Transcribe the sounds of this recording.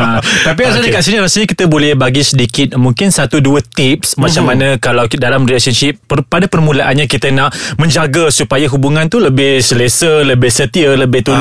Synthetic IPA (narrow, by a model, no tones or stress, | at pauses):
at̪ap̬iɾasaldikaʔsiɲãɾasəlɲakit̪əbolɛhbaɡisədikɪt̪̚muŋkɪnsat̪uduət̪ip̚smãt͡ʃamanãkalawdalamrilasənʃɪp̚ːəpadapərmũlaʔanɲãkit̪ənãʔmə̃ɲd͡ʒaɡasupajaɦubuŋãnt̪uləbɪhsəlesələbɪhsət̪iələbɪht̪un